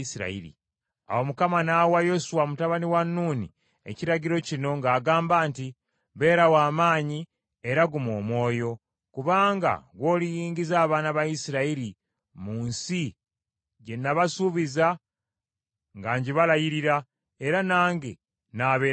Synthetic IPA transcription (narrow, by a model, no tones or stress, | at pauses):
isiɾa̰iɾḭ | a̰womukamanawajo̞suwamutaβaniwanːuːnḭ | ḛciɾaɟiɾo̞cino̞ŋɡaːɡaːmbaːnti | βe̞ːɾawaːmaːɲi | e̞ɾaɡumoːmwo̞ːjo̞ | kuβaːŋɡa̰ɡwo̞ːlijiːɲɟizaːβaːnaβajisiɾaili | muːnsi | ɟe̞nːaβasuβiza | ŋɡaːɲɟiβalajiɾiɾa | eɾanaːŋɡe | naːβe